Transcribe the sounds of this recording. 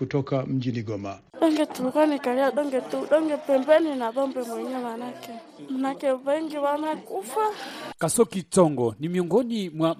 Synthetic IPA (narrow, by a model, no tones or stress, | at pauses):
utɔkam̩d͡ʒiniɡɔma | ɗɔŋɡɛtuikwanikaɾiaɗɔŋɡɛtuuɗɔŋɡɛpɛmbɛninaðɔmbɛmwɛɲɛmanakɛ | manakɛβɛŋɡiwanakufakasɔkit͡ʃɔŋɡɔnimiɔŋɡɔnimwa